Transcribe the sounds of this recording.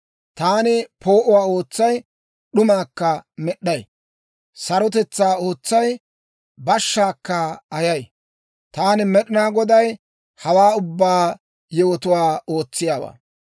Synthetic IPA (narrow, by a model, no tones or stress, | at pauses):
t̪aːnɪpʰo̞ːʔʊwaːo̞ːt͡sːɐj | ɗʊmaːkːɐmɛɗːɐj | sɐɾɔt̪̬ɛt͡sːaːo̞ːt͡sːɐj | bɐʃːaːkːɐɐjɐj | t̪aːnɪmɛɗɪnaːɡɔd̪ɐj | hɐwaːʊbːaː | jɛwɔt̪ʊwaːo̞ːt͡sːɪjaːwa̰ː